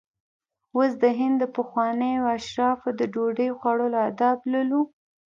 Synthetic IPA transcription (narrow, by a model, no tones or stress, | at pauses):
wəs̬d̪əɦɪnd̪ːəpəxwɑnəjoaʃɾɑfd̪əd͡ʒoɖəjxwaɽəload̪ɑblalu